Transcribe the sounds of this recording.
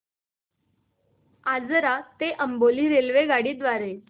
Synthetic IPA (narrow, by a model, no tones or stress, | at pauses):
ad͡zəɾat̪eʔəmboliːɾelʋeɡaɽiːd̪ʋaɾe